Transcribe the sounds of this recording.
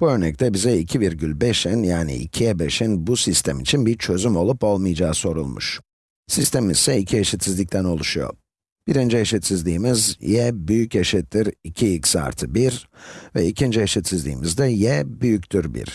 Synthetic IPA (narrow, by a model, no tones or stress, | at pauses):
b̥uø̞ɾnɛc̚t̪ʰɛbizɛicʰiviɾɟylʲbɛʃɛnjaːnḭʔḭcʰijɛbeʃɛnbusist̪ʰɛmit͡ʃʰinbiɾt͡ʃʰø̞zymo̞lˠupo̞lˠmɯjad͡ʒaːso̞ɾṵlˠmṵʃ | sist̪emizsɛicʰieʃit̪sizlʲic̚t̪ʰæno̞lˠuʃujo̰ | b̥iɾind͡ʒijeʃɛt̪sizlʲiːmizjɛbyjyceʃit̪ːiɾicʰiːcsa̰ɾt̪ʰɯbiɾvɛicʰind͡ʒieʃɛt̪sizlʲḭːmizd̪ɛjɛbyjyct̪ʰyɾbḭɾ̥